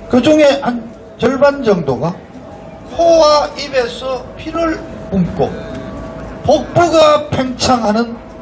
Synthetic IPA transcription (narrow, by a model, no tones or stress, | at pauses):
kɯd͡ʑuŋe̞han | t͡ɕʌɭband͡ʑʌŋdoɡa | kʰowaibesʰʌpʰiɾɯɭpumk͈o̰ | pok̚p͈ɯɡapʰeŋt͡ɕʰaŋɦanɯn